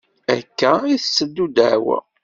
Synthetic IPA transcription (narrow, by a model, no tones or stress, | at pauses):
æ̰kːæiθsːəd̪ːud̪əʕwə̰